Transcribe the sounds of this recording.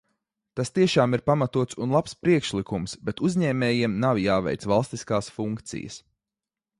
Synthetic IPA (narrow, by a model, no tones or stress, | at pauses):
t̪ast̪iɛʃaːmiɾpamat̪uɔt̪sunlˠapspɾiɛkʃlˠikumsbɛt̪uzʲɲɛːmɛːjiɛmnawjaːvɛ̰jt̪svalˠst̪iskaːsfuŋkt̪sḭjə̰s